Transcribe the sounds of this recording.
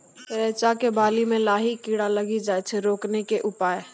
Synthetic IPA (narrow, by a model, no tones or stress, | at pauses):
ɾeːt͡ʃakebaːlimẽlaːɦikiːɽaləɡid͡ʒaːjt͡ʃʰeɾoːknekeʔʊpaːe